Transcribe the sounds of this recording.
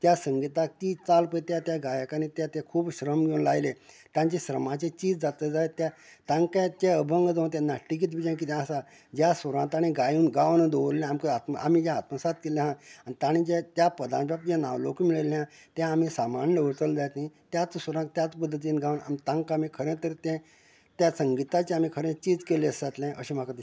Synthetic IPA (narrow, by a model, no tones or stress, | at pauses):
t̪jasəŋɡit̪ak̪it͡salpəit̪jat̪jaɡajakanĩt̪jat̪ekʰuːbɕɾəmɡewnlajle | t̪jãɲt͡ɕeɕɾəmãt͡ɕet͡ɕiːd͡zd͡zat̪əd͡zaet̪ja | t̪ãŋkat͡ɕeəbʱəŋɡəd͡z̪ə̃nt̪̬ʲãnaʈːik̬it̪bʱid͡ʑãnkit̪jãsa | d͡ʑjasəɾãnt̪aɽ̃ĩɡajũːnɡaʋnəd̪oəlẽamkəat̪ma̰a̰m̤id͡ʑaːt̪masat̪̚kilẽɦãanit̪aɽ̃ĩd͡ʑet̪japəd̪ã̰npapd͡ʑãna̰ʋlokmiɭəlɛ̃ãt̪jãːm̤isamaɳɖəʋəɾt̪əld̪ajt̪ɦĩt̪jat͡ssəɾãt̪jat͡spəd̪ʱːət̪̬inɡaʋna̰mit̪ãŋkamikʰəɾẽt̪əɾt̪ɛ̃ | t̪jasəŋɡit̪at͡ɕẽam̤ĩkʰəɾẽt͡ɕiːd͡zkeleəsat̪lɛ̃ʔəɕĩm̤akad̪i